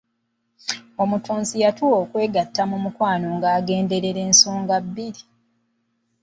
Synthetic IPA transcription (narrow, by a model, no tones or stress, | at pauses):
o̞mutuːnzijatuwo̞ːkwe̞ːɡatːamumukwaːno̞ŋɡaːɡe̞ːnde̞ɾe̞ɾe̞ːnsoːŋɡabːiɾi